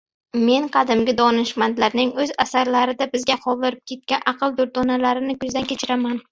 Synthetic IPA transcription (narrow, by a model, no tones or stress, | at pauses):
me̞nqʰɑd̪ɪmɡʲɪd̪ɒnɪʃmant̪laɾnɪŋɵzasaɾlaɾɪd̪abɪzɡʲaqʰɒlˠd̪ɪɾɪp̚kʲʰe̞t̪̚kʲanʔɑqʰɨlˠd̪ʊɾt̪ɒnalaɾɪnɪkʊzd̪ankʲʰe̞t͡ʃʰɪɾaman